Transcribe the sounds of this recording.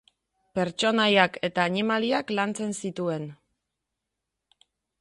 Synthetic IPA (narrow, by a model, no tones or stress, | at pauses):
pe̞ɾt͡ʃo̞najake̞t̪aːnimaliaklant͡se̞nsit̪ue̞n